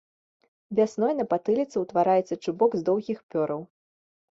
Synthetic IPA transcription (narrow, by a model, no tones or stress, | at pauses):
vʲasnɔjnɐpat̪ɨlʲit̪sɨwt̪vaɾajɛt̪sɐt͡ʂubɔɡzd̪ɔwɣʲixpʲɔɾɐw